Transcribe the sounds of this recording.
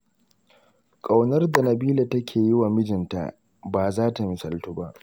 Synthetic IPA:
kʼa˨wnɐ˦rda˨nɐ˨biː˦la˨tɐ˦kʲʰeː˨jɪ˦wa˨mɪ˦d͡ʒɪ˨nta̰˨ʔ | baː˨zaː˦ta˨mɪ˨sɐ˨ltuː˦ba˦ʔ

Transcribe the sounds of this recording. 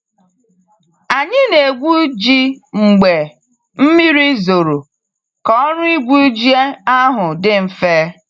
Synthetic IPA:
a˨ɲɪ˦ne˨ɡʷu˦d͡ʒi˦ŋ͡m̩˨ɡ͡be˨ | m̩˦mi˦ɾi˦zo˨ɾo˨ | kɔ˦ɾʊ˦i˦ɡʷu˦d͡ʒi˦e˦a˦ɦʊ˨dɪ˦m̩˨feː˦

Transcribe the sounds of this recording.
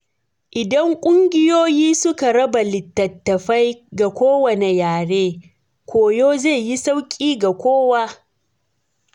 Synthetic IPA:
ʔɪ˨dɐ˦ŋkʷʼʊ˦ŋɡʲɪ˦joː˦jiː˦sʊ˦ka˨ɽɐ˦ba˨lɪ˨tːɐ˨tːɐ˨ɸa˦jɡa˨kʷoː˦wɐ˨ne˨jaː˨ɽeː˦ | kʷoː˨joː˦ze˦˨ji˦sa˦wkʲʼiː˦ɡa˨kʷoː˦waː˦

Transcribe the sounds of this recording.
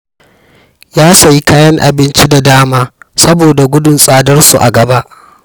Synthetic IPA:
jaː˦sɐ˨ji˦kaː˦jɐ˦ŋʔa̰˨bɪ˦nt͡ʃi˦da˨daː˦maː˦sɐ˦boː˨da˨ɡʷʊ˦dʊ˨nsʼaː˦dɐ˦rsu˨ʔa̰˨ɡɐ˨ba˦ʔ

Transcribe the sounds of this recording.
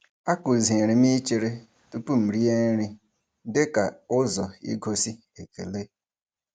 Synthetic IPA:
a˦kʊ˨zi˨ɾi˨m˦i˦t͡ʃe˨ɾe˦ | tu˦pu˦m̩˨ɾi˦e˦ɾi˦ | dɪ˦ka˨ʊ˦zɔ˨ḭ˦ɡo˦si˦ | e˨ke˨le˦

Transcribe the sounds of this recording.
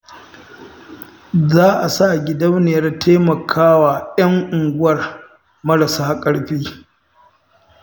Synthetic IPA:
zaː˦ʔa˨sa˦˨ɡʲɪ˨dɐ˦wneː˨ɾa˦tʰeː˦mɐ˨kʰaː˦waː˨jɐ˦ŋʔʊ˨ŋɡʷʊ˦wɐ˨r | mɐ˦ɽɐ˨saː˦kʼɐ˦ɽɸiː˦

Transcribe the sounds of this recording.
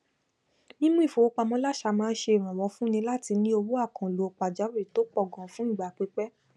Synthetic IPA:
mĩ˦mũ˦i˦˨fo˨o˦k͡pa˧mɔ̃˦la˦˨ʃa˧mãː˦˧n̩˦ʃe˧i˨ɾ̃ã˨wɔ˨˧˦fũ˦nĩ˧la˦ti˧nĩ˦o˧wo˦a˦˨kã˨lo˨o˨k͡pa˨d͡ʒa˨˦wi˦˨to˨˦k͡pɔ˦˨ɡɔ̃˨˦fũ˦˨ɡ͡ba˨k͡pe˨˦k͡pɛ˦

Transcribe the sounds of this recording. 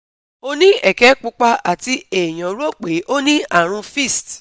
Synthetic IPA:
o˧nĩ˦ɛ˨kɛ˨˦k͡pu˧k͡pa˧a˨ti˧e˨j̃ã˨˦ɾu˦o˦˨k͡pe˨˦ʔo˦nĩ˦a˦˨ɾ̃ũ˧fi˦˨st

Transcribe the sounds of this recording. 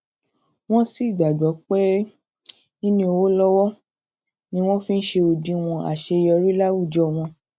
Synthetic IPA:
w̃ɔ̃˦si˦i˦˨ɡ͡ba˨d͡ʒɔ˨˦k͡pe˦ | ĩ˦nĩ˦o˧wo˦lɔ˦wɔ˦ | nĩ˦w̃ɔ̃˦fĩ˦n̩˦ʃe˧o˧dĩ˧˦w̃ɔ̃˧a̰˨ʃe˧jɔ˧ɾi˦la˦wu˦˨d͡ʒɔ˦˧˨w̃ɔ̃˧

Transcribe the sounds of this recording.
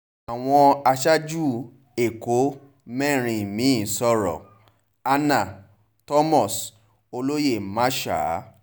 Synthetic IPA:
a˨w̃ɔ̃˧a˧ʃa˦d͡ʒu˦˨ | e˨ko˨˦ | mɛ˦˨ɾ̃ĩ˧˨mĩ˨˦˨sɔ˦ɾɔ̰˨ | a˧na˨ | tɔ˦mɔ˦˨s | o˧lo˦je˦˨mã˦ʃa̰˨˦

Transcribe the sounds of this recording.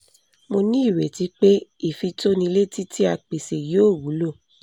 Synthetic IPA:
mo˧nĩ˦i˦˨we˨ti˧˦k͡pe˦i˦˨fi˧to˦nĩ˧le˦ti˦ti˦a˦˨k͡pe˨se˨joː˦˨wu˨˦lo˦˨

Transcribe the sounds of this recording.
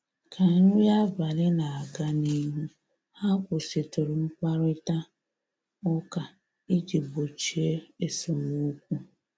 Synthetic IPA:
kʰa˨˦ɾu˦ja˦ba˨lɪ˦na˨a˨ɡa˦ni˦ɦu˦ | ha˦kʷʊ˨si˨to˨ɾʊ˨m̩˦k͡pa˦ɾʊ˦ɪ˦ta˦ | ɔ˦ka˨ | ɪ˦d͡ʒi˨bo˨t͡ʃi˨e˦e˨so˨mu˦kʷu˦

